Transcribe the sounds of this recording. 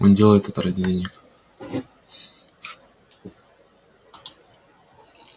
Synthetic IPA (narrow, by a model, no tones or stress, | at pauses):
o̰ndʲe̞lˠəjɪt̪ɛt̪əɾədʲɪlʲenʲɪk